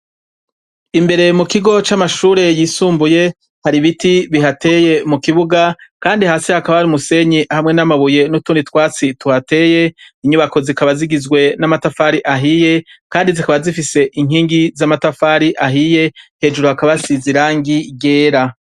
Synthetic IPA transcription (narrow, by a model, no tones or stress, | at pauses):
imbe̞ɾe̞mukiɡo̞t͡ʃamaʃuːɾe̞jiːsuːmbuje̞ | haɾiβitiβiɦate̞je̞mukiβuɡakaːndihaːsihakaβahaɾumuse̞ɲiʔhamŋe̞namaβuje̞nutuːnitwaːt͡situhate̞ːje̞iɲuβako̞zikaβaziɡizɡwe̞namatafaɾiʔaɦije̞kaːndizikaβazifise̞ʔiŋ̥hiːŋɡizamatafaɾiʔaɦije̞he̞ːd͡ʒuɾohakaβasiziɾaːŋɡiɟe̞ːɾa